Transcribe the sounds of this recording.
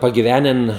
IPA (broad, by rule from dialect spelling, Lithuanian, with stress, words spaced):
pɐɡʲɪˈʋʲæːnʲɛn